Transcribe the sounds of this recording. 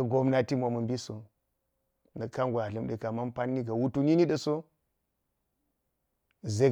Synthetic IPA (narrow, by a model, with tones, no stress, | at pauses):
ɡo˦mna˦ti˦mʷa˨mu˨mbi˦so˨ | nə˨ka˦nɡʷwʷa˨lə˨mɗe˨ka˨ma˦npa˦nːi˦ɡa˨wu˦tu˦ni˦ni˦ɗə˨so˦˨ | ze˦